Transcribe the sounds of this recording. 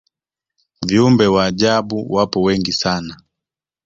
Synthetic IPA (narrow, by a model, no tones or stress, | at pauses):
viumbɛwaːʄaɓuwapɔwɛŋɡisana